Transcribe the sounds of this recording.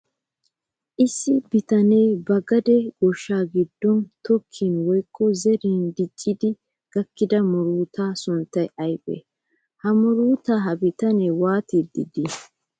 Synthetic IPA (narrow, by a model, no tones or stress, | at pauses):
ʔɪsːɪbɪt̪ɐne̞ːbɐɡɐd̪ɛɡ̥ɔʃːaːɡɪd̪ːɔnt̪ɔkʰːiːnwɔjkʰʼːɔzɛɾiːnd̪ɪt͡ʃʼːɪd̪ɪ | ɡ̥ɐkːɪd̪ɐmɔɾuːt̪aːsʊnt̪ːɐjɐjbʼḛ | hɐmɔɾuːt̪aɦɐbɪt̪ɐneːwaːt̪id̪ɪ̰d̪ɪ